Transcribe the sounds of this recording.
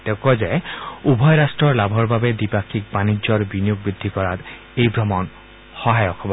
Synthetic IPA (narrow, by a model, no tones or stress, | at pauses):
t̪ekɔd͡ʒajubʱɔjɾasʈɾɔɾlabʱɔɾbʱabed̪ipakʰikbanid͡ʒɔɾbinijuɡ̚bɾid̪ʱːikɔɾat̪ | ejbɾɔmɔn | hɔɦajɔkʰɔbɔ